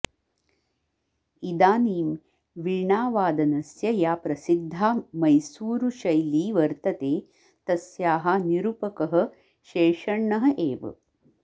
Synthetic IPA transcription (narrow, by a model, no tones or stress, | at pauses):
id̪aːniːm | ʋiɭɳaːʋaːd̪ɐnɐsjɐjaːpɾɐsid̪ʱːaːmɐjsuːɾuʃɐjliːʋɐɾt̪ɐt̪eː | t̪ɐsjaːɦɐniɾupɐkɐɦɐ̆ | ʃeːʂɐɳːɐɦɐʔeːʋɐ̰